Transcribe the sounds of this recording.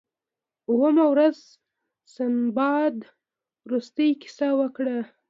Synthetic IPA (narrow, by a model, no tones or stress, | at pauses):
uwəmawɾaz | sanbɑd̪ | ɾust̪əjkɪ̥sawəkɽa